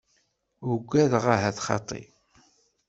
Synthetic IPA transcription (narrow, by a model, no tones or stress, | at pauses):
ʊɡʷːæðʁaɦæθχɑ̰t̪ˤːḭ